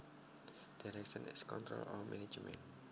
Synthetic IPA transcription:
d̥aɾɛk̚ʃə̃nɪ̰skɔ̃ntɹo̰lɔ̰minid͡ʒmɛ̰̃n

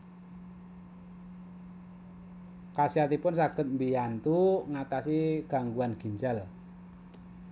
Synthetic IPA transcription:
kasiat̪ipʊnsaɡ̥ət̪̚mbijant̪uŋat̪asiɡ̥a̤ŋɡuanɡ̥i̤ɲd͡ʒal

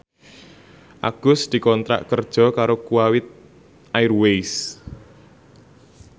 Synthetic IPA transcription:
ʔa̰ɡ̥ʊ̤sd̪̥i̤kɔnt̪ɾa̰ʔkərd̥ʒ̥ɔ̤kaɾokuawɪt̪̚ | ʔajrwejs

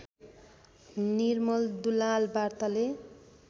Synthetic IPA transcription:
nirmʌld̪ulalbart̪ʌle

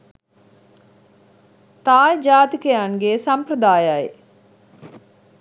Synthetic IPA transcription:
t̪aːjd͡ʒaːt̪ikəjaŋɡeːsampɾəd̪aːjaj

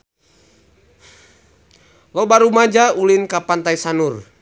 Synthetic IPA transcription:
lɔbaɾumad͡ʒaulinkapant̪aisanur

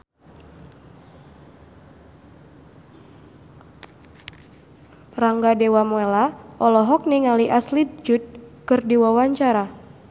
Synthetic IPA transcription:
raŋɡadewamoelaɔlɔɦɔk̚niŋaliʔaslit̪̚d͡ʒut̪̚kɨrdiwawaɲt͡ʃaɾa

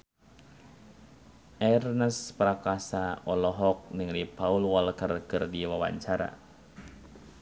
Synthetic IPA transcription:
ʔɛrnəspɾakasaɔlɔɦɔk̚nɨŋlipaulwɔlkərkɨrdiwawa̰ɲt͡ʃaɾa̰

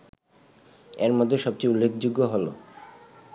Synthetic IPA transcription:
eɾmɔd̪ʱːeʃɔb̚t͡ɕejulːekʰd͡ʑuɡːoɦolo̰

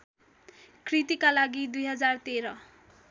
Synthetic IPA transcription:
krit̪ikalaɡid̪ujɦʌd͡zart̪eɾʌ

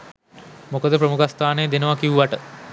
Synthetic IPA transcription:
mukəd̪əpɾəmukʰast̪aːnejːd̪enəʋakiuʋaʈə

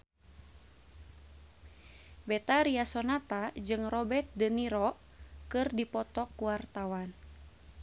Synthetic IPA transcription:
bɛt̪aɾiasɔnat̪ad͡ʒɨŋrɔbɛt̪̚dəniɾɔ | kɨrdipɔt̪ɔkuwart̪awan

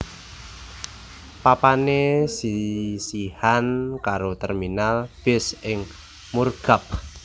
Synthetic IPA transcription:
papanesisihankaɾot̪ɛrminalb̥ɪ̤sɪŋ | murɡ̥a̤p̚

